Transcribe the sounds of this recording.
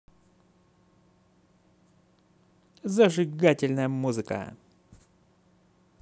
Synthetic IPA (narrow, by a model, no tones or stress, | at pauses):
zəʐɨɡatʲɪlʲnəjəmuzɨkə̰